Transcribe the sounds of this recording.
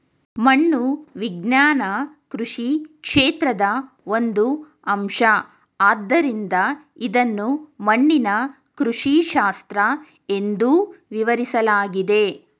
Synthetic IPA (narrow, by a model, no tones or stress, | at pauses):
mɐɳːuʋiɡnjaːnɐ | kɾuʂikʂeːt̪ɾɐd̪ɐ | o̞nd̪u | ɐmʃɐ | aːd̪ːɐɾind̪ɐ | id̪ɐnːumɐɳːinɐ | kɾuʂiʃaːst̪ɾɐ | e̞nd̪uʋiʋɐɾisɐlaːɡid̪e̞